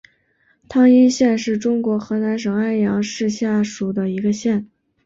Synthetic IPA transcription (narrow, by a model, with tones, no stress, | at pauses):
t̪ʰɑ˥ŋi˥nɕjɛ˥˧nʂɻ̩˥˩ʈ͡ʂʊ˥ŋkwɔ˧˥xɤ˧˥na˧˥nʂ̬ɤ˨˩ŋa˥˩ɪjɑ˧˥ŋʂɻ̩˥˧ɕja˥˩ʂu˨˩d̪ə˦i˧˥ɡə˧ɕjɛ˥˩n